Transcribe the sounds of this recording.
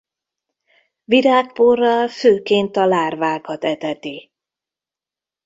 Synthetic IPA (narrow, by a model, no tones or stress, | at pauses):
viɾaːkporːɒlføːkeːnt̪ɒlaːrvaːkɒt̪ɛt̪ɛt̪i